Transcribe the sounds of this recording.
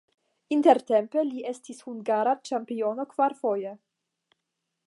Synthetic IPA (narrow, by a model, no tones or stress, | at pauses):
int̪eɾt̪empe̞liʔest̪ishuŋɡaɾat͡ʃampio̞no̞kvaɾfo̞je